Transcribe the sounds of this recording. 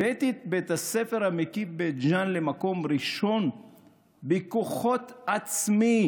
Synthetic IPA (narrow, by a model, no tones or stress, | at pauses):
bet̪it̪̚bet̪asefe̞ʁhamikibet̪d͡ʒanlemako̞mʁiʃo̞n | bekoχo̞t̪at͡smi